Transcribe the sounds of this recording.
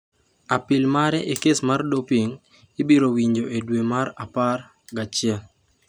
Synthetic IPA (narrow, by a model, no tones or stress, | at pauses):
apɪlmaɾɛʔekesmardopiŋ | ɪbiɾowiɲd͡ʒoʔedwemaɾapar | ɡat͡ʃɪa